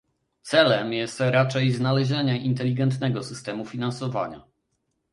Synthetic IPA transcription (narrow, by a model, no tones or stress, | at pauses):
t̪sɛlɛmjɛst̪ɾat͡ʂɛjznalɛʑɛɲɛʔint̪ɛlʲiɡɛnt̪nɛɡɔsɘst̪ɛmufʲinansɔva̰ɲa̰